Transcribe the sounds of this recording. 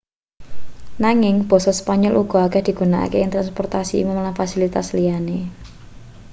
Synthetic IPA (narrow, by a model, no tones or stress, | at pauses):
naŋɪŋb̥ɔ̤sɔspaɲɔlʔuɡ̥ɔ̤aɡɛ̤d̪̥i̤ɡ̥unaʔa̰keɪŋt̪ɾanspɔrt̪asḭːmʊmlamfasilit̪aslijane